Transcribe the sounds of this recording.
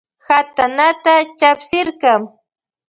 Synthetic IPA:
hat̪anat̪at͡ʃapsɪɾkɑm

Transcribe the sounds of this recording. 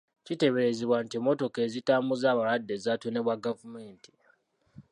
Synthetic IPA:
cite̞βe̞ɾe̞ziβwantimo̞to̞ke̞zitaːmbuzaːβalwadːe̞zaːtone̞βwaɡavume̞ːnti̥

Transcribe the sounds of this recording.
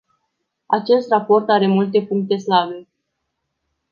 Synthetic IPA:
at͡ʃe̞st̪rapo̞rt̪aɾe̞mult̪e̞puŋk̚t̪e̞slabe̞

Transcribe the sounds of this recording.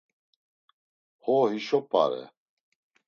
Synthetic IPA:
hɔhiʃɔpʼa̰ɾɛ̰

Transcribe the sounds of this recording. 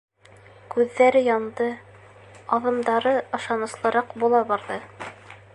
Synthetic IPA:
kʉðːæɾɘjɑnd̪ɤ | ɑðɤ̆md̪ɑɾɤɤ̆ʃɑnɤ̆slˠɤ̆ɾɑqbulˠɑbɑɾðɤ

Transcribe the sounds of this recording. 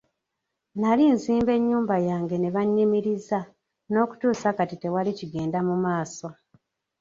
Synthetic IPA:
nalinziːmbe̞ɲːuːmbajaːŋɡe̞neβaɲːimiɾiza | no̞ːku̥tuːsakatite̞waliciɡe̞ːndamumaːso̞

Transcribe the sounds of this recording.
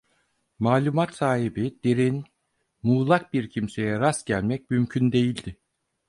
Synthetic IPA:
maːlʲumat̪saːɦibid̪̥eɾin | muːlˠak̚biɾcʰimse̞jɛɾasɟælʲmɛc̚mymcʰynd̪e̞jilʲd̪ɪ

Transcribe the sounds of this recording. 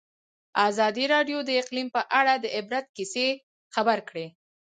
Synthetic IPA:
azɑd̪iɾɑɖjod̪əɪqlimpəʔaɽad̪əʔɪbɾat̪̚kise | xabaɾkɽe

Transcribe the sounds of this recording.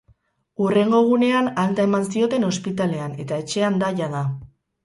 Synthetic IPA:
ure̞ŋɡo̞ɣ̞une̞analt̪ae̞mansio̞t̪e̞no̞spit̪ale̞ane̞t̪ae̞t͡ʃe̞and̪aʝaða

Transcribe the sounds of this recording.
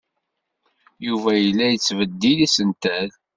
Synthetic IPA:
juvæjəlːæjət͡sːvəd̪ːilæsənt̪æl

